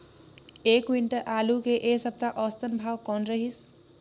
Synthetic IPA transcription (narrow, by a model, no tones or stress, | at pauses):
ekwiɳʈʌʔalukeʔesʌb̚t̪aʔʌst̪ʌnbʱawkʌnɾʌɦis